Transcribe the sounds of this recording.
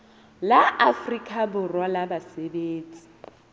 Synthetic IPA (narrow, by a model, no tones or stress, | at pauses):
laafrikʼʰabʊrwalabasebeːt͡sʼi̥